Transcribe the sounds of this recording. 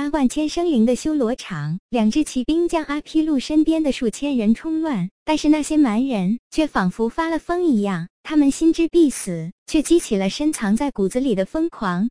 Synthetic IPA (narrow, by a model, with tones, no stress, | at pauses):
pa˥wa˥˩nt͡ɕʰjɛ˥nʂɤ˥ŋli˧˥ŋd̪ə˧ɕjo˥ʊlwɔ˧˥ʈ͡ʂʰɑ˧˥˦ŋljɑ˨˩ŋʈ͡ʂɻ̩˥˩t͡ɕʰi˧˥pi˥ŋt͡ɕjɑ˥ŋʔa˥pʰi˥lu˥˩ʂə˥npjɛ˥nd̪ə˨ʂu˥˩t͡ɕʰjɛ˥nɻə˧˥nʈ͡ʂʰʊ˥ŋlwa˥˩nt̪a˥˧nʂɻ̩˥˧na˥˩ɕjɛ˥ma˧˥nɻə˧˥nt͡ɕʰɥɛ˥˩fɑ˨˩ŋfu˧˥fa˥lə˨fɤ˥ŋi˧˥jɑ˥˩ŋt̪ʰa˥mə˨nɕi˥nʈ͡ʂɻ̩˥pi˥˩sɹ̩˨˩˦t͡ɕʰɥɛ˥˩t͡ɕi˥t͡ɕʰi˨˩lə˦ʂə˥nt͡sʰɑ˧˥ŋt͡sa˥˩ɪku˨˩d͡zɹ̩˧li˨˩d̪ə˦fɤ˥ŋkʰwɑ˧˥ŋ